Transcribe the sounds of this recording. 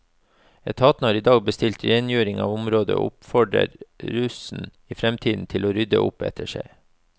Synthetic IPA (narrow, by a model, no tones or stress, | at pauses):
ɛt̪ʰɑːt̪n̩hɑːɾiːd̪ɑːɡ̚bəst̪ɪlt̪ɾenjøːɾɪŋɑ̰ːʋʊmɾoːd̪ə̰ʔʊ̰pfɔɖɾə̰ɾɾʉsn̩ | iːfɾɛmt̪ʰiːd̪n̩t̪ʰɪloːɾʏd̪ə̰ʔʊ̰pɛ̰t̪ʰəʃæ̰ɪ